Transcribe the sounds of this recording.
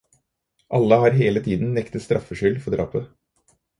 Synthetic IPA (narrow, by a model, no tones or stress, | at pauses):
ʔɑlːəhɑːɾɦeːlət̪ʰiːd̪n̩nɛkt̪əst̪ɾʔɑfəʂʏlfɔd̪ɾɑ̰ːpə